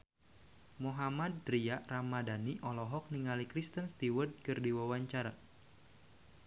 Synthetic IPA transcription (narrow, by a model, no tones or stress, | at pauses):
moɦamad̪̚ːɾiaʔramadaniʔɔlɔɦɔk̚niŋalikɾist̪ənst̪iwərd̪̚kɨrdiwawaɲt͡ʃaɾa̰